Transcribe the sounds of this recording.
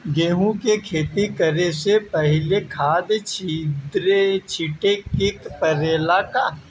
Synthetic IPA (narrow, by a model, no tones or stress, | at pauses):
ɡeːɦũkekʰeːt̪ikəɾesepəɦɪlekʰaːd̪t͡ʃʰid̪ɾet͡ʃʰiʈekɪkpəɾeːlaka